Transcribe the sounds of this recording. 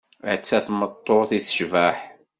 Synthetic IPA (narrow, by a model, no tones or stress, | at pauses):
ə̰ʕt͡sːæθmət̪ˤːoθiθə̥ʃvæħ